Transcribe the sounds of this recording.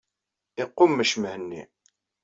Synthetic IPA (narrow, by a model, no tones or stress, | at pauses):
ɪqːʊmːəʃməhənːḭ